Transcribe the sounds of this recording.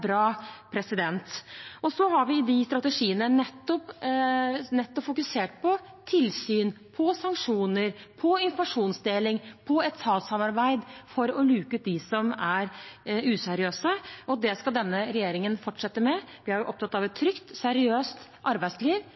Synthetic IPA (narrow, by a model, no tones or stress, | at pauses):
bɾɑːpʰɾɛsɪd̪ɛnt̪ɔsɔɦɑɾʋɪɪd̪ɪst̪ɾɑt̪əʂiːənənɛt̪ːɔp | nɛt̪ːɔpfʊkʉseːʈ̚pʰɔ | t̪ʰɪlsyːn | pʰɔsɑŋkʂuːnəɾpʰɔɪnfɔɾmɑʂuːnsd̪eːlɪŋpʰɔɛt̪sɑːlsɑmɑɾbæɪd̪fɔɾɔlʉːkəʉːt̪̚d̪ɪsɔmæɾʉːsɛɾɪøːsəʔɔd̪ɛskɑld̪ɛnːəɾɛjeːɾɪŋənfɔʈʂɛt̪ːəmɛʋɪɑɾjʊʔɔp̚t̪ɑt̪ːɑʋɛt̪ʰːɾʏkt̪sɛɾɪøːst̪ʔɑɾbæɪd̪sliːʋ